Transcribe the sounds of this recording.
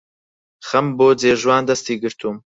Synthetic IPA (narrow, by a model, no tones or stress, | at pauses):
xɐmboːd͡zeːʒwaːnd̪ɐst̪iːɡɨɾt̪ʰuːm